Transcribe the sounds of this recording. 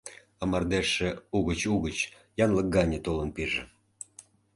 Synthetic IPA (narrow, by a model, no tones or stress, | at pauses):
əmɑrd̪eʃĕuɣət͡ɕuɣət͡ɕ | jɑnlək̚ɡɑnʲet̪olənpiʒḛ̆